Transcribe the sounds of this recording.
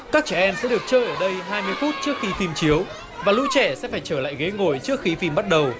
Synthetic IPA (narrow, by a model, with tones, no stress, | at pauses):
kaː˦˥k̚t͡ɕɛ˧˩ʔɛ˧msɛ̰˧˥ɗɨ˨˩ək̚t͡ɕəː˧jʔəː˧˩ɗə˧jɦaː˧jmɨ˧əjfu˦˥t̚t͡ɕɨ˦˥ək̚xi˨˦fi˧mt͡ɕi˨˦əw | vaː˨˩lu˧t͡ɕɛ˧˩sɛ̰˧˥faː˧˩jt͡ɕəː˧˩la̰ː˧˨jɣe˨˦jŋo˧˩jt͡ɕɨ˦˥ək̚xi˨˧˦fi˧mɓa˦˥t̚ɗə˨˩w